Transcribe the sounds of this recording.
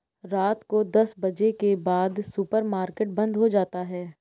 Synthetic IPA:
ɾaːt̪kod̪ɐsbɐd͡ʒekebaːd̪sʊpəɾmaːɾkeʈ̚bɐ̃nd̪ɦod͡ʒaːt̪aɦɛː

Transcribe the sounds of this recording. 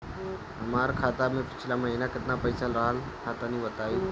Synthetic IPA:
ɦəmaɾkʰaːt̪amẽpi̥t͡ʃʰlaməɦinakɪt̪napəjsalɾaɦəl | kʰat̪aniːʋət̪aiː

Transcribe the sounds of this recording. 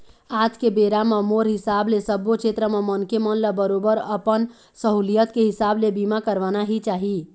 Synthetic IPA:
at̪kebeɾamemoɾɦisablesəbot͡ʃʰet̪ɾəmemənkemənləbəɾobəɾəpən | səɦulijət̪keɦisablebimakəɾʋanaɦit͡ʃaɦi

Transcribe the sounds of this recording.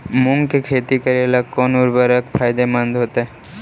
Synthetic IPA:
mʊŋkekʰeːt̪ikəɾelakːɔːnʊɾbəɾəkpʰaːjd̪emə̃nd̪ʱɦoːt̪ɛ

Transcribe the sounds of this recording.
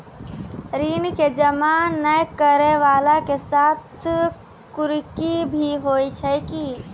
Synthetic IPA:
ɾiːnked͡ʒəmanəjkəɾeʋaːlakesaːt̪ʰ | kʊɾkibʱiɦoːit͡ʃʰɛki

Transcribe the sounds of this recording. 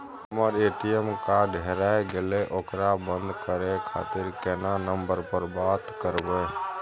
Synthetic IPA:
həməɾeːʈijəmkaɖʱɦeɾaeɡeleʔokɾabənd̪kəɾekʰa̰ːt̪ɪɾkɛːnanəmbəɾpəɾbat̪kəɾbe

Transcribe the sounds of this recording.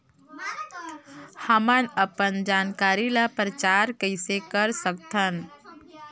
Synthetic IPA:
həmənəpənd͡ʒaːnkaːɾilapɾət͡ʃaːɾkəɪsekəɾsək̚t̪ʰən

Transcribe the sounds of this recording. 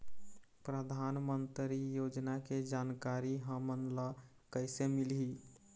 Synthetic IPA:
pɾəd̪ʱanmənt̪ɾijod͡ʒnaked͡ʒankaɾiɦəmənlə | kəɪsemilɦi

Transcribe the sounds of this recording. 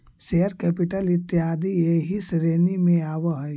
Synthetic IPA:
seɦəɾkɛːpɪʈəlɪt̪ːiaːd̪ieɦisɾeːnimẽaːwaɦ

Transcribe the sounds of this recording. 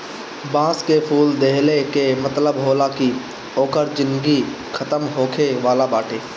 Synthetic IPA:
bãːskepʰuːld̪eɦlekemət̪ləbɦoːlaki | oːkəɾd͡ʒɪ̃nɡi | kʰət̪əmɦoːkʰeʋaːlabaːʈʰeː

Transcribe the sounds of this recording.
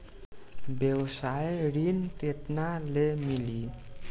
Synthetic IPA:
bewsajɾint̪et̪nalemili

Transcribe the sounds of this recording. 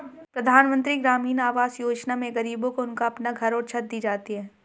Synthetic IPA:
pɾɐd̪ʱaːnmə̃nt̪ɾiɡɾaːmiːnaːʋaːsjoːd͡ʒnamẽɡɐɾiːbõkoʊnkaɐpnaɡʱɐɾɔːɾt͡ʃʰɐt̪̚d̪iːd͡ʒaːt̪iɦɛː

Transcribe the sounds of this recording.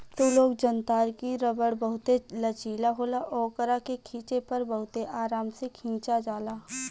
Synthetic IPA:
t̪oloːɡd͡ʒənt̪aːɾkiɾəbəɽbɐɦʊt̪elɐt͡ʃiːlaɦoːlaʔɔːkəɾakekʰĩːt͡ʃepɐɾbɐɦʊt̪eʔaːɾaːmsekʰĩːt͡ʃad͡ʒaːlaː

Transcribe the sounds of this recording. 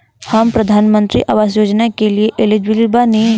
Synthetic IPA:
hɐmpɾɐd̪ʱaːnmə̃nt̪ɾḭʔaʋaːzjoːd͡ʒnakelieʔɪlɪd͡ʒbɪlbane

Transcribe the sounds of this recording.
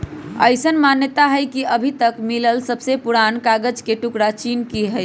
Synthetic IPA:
ə̰ɪsənmanjət̪aɦəjkiʔəbʱit̪əkmiləlsəbsepuɽankaɡəd͡ʒkeʈukɽat͡ʃinkiɦə

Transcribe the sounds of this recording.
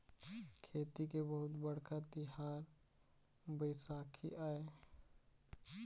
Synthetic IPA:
kʰeːt̪ikebəɦʊt̪bəɽ̤kʰat̪ɪɦaːɾ | bəɪsaːkʰḭʔaːe

